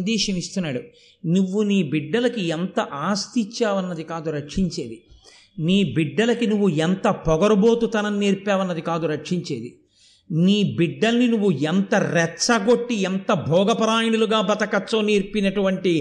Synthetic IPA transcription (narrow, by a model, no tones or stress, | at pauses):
ɐd̪ɛːʃɐmist̪unːaːɽu | nuʋːuniːbiɖːɐlɐkient̪ɐʔaːst̪it͡ʃːaːʋɐnːɐd̪ikaːd̪uɾɐkʂiɲt͡ʃe̞ːd̪i | niːbiɖːɐlɐkinuʋːuent̪ɐpɔɡɐɾubo̞ːt̪ut̪ɐnɐnːeːɾpaːʋɐnːɐd̪ikaːd̪uɾɐkʂiɲt͡ʃḛːd̪i | niːbiɖːɐlɐninuʋːuent̪ɐɾɛt͡ʃːɐɡo̞ʈːient̪ɐbʱɔːɡɐpɐɾaːjɐnuluɡaːbɐt̪ɐkɐt͡ʃːoːniːɾpinɐʈuʋɐɳʈi